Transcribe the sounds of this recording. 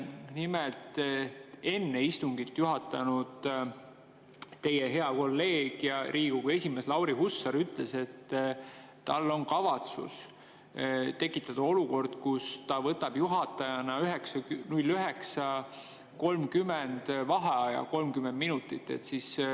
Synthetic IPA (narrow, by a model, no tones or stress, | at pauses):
nimelt̪ | e̞nːeist̪uŋɡit̪ːjuɦɑt̪ːˑɑnud̪̥ | t̪e̞jeɦe̞ɑko̞lːe̞ːɡ̥jɑɾʔiːɡukue̞sʲime̞slɑwɾiɦusːɑɾyt̪ˑle̞se̞t̪ː | ɑlːo̞nkɑvɑt̪sṵs | t̪e̞kːˑit̪ːˑɑd̪̥ɑo̞luko̞rd̪̥kust̪ɑvɤt̪ːˑɑb̥juɦɑt̪ːˑɑjɑnɑyɦeksɑnulʲːyɦe̞ksɑ | ko̞lmkymend̪̥vɑɦɑjɑ̰ko̞lmkymend̪̚minut̪ˑːit̪ːˑe̞̰t̪sis